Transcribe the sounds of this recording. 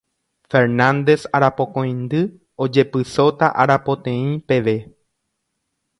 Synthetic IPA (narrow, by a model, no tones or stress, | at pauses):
fe̞ɾnãnd̪e̞saɾapõ̞kõj̃nd̪ɨ | o̞d͡ʒe̞pɨso̞t̪a̰ʔaɾapo̞t̪ẽ̞ĩpe̞ʋe̞